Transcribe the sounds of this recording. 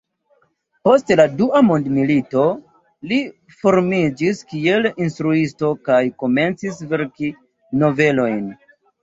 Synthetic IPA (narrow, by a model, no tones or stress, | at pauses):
po̞stladuʔamondmilito̞ | li | fo̞ɾmid͡ʒiskie̞linstɾuisto̞kajko̞me̞nt͡sisve̞ɾki | no̞ve̞lo̞jn